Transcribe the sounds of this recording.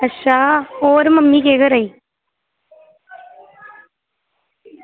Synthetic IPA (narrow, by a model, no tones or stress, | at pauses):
ɐʃaːoːɾmɐmːikeːɣɐɾɐj